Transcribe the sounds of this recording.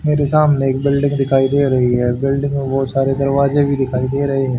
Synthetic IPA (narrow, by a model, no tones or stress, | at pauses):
meːɾesaːmneːk̚bɪlɖɪ̃ŋɡd̪ɪkʰaːid̪eːɾɐɦiɦɛːbɪlɖɪ̃ŋɡbɔːt̪saːɾed̪ɐɾʋaːzẽbʱid̪ɪkʰaːid̪eːɾɐɦeɦɛ̃ː